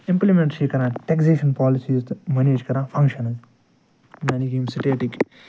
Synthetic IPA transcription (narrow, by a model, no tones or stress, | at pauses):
ɪ̃mplimẽɳʈʃiːkɐɾãːʈekzeːʃɐnpɔːlisiːzt̪mɐneːd͡ʒkɐɾãːfʰɐ̃ŋkʃɐnɐl | maːniɡiːmsiʈeːʈik